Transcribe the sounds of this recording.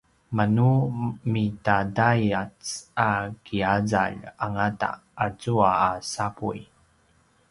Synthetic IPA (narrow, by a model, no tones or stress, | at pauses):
manumitadajat͡sakiaza̰ɭaŋata̰ːt͡suaːsapṵj